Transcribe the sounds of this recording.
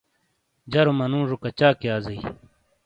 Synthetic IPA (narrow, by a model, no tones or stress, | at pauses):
d͡ʑɐɾomɐnũːʐukɐt͡ɕaːkeaːzɐi